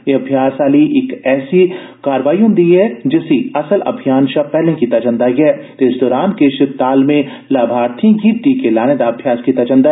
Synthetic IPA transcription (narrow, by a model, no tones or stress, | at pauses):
jeɐbʱjaːsaːliʔɪkɛːsi | kaːɾʋaːijõnd̪iɦɛd͡ʒɪsiɐsəlɐ̰bʱijaːnʃapɛːɦlẽkit̪ɐt͡ʃə̃nd̪ajɛːt̪ːɪsd̪ɔːɾaːnkeʃɪt̪aːlmẽ | laːbʱaːɾt̪ʰĩɡiːt̪ikelaːned̪aɐbʱjaːskit̪ɐt͡ʃə̃nd̪a